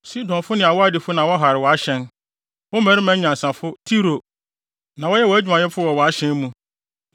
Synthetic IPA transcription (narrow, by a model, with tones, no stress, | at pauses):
si˦dɔ̃˨nfʊ˦nɪ̃˨a˨wɔ˦a˦dɪ˨fʊ˦nã˨wɔ˦ɦa˨ɾɪ˨wɔ˨a˦ɕɛ̃˦n | wɔ˦mæ̃˨ɾɪ˦mæ̃˨˦ɲã˨n˨sã˨fʊ˦tʰi˦ɾo˨ | nã˨wɔ˦jɛ˦wɔ˨æ˦d͡ʑᶣu˨mã˨ɲɛ˦fʊ˦wɔ˨wɔ˨a˦ɕɛ̃˦mũ˦